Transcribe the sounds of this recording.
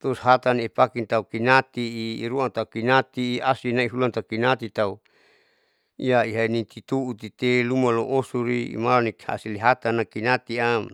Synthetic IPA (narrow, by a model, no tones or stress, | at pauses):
t̪usɦat̪anipakint̪aukinat̪iːɾuant̪akinat̪iːasinaiɦulant̪akinat̪it̪au | ijaiɦanit̪it̪uut̪it̪elumaloʔosuɾiḭmalaniha̰siliɦat̪anakinat̪iam